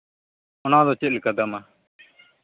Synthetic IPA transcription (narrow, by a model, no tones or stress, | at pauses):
ɔnad̪ɔt͡ʃɛt̪̚lɛkad̪ama